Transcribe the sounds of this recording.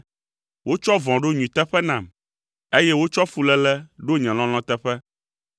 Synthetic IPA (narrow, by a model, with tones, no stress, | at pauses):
wo˦t͡ʃɔ˦vɔ̃˨ɖo˦ɲũ˨t̪ɛ˦ɸɛ˦nã˨m | e˦jɛ˦wo˦t͡ʃɔ˦fu˨lɛ˦lɛ˦ɖo˦ɲɛ̃˨l̃ɔ̃˦l̃ɔ̃˦t̪ɛ˦ɸɛ˦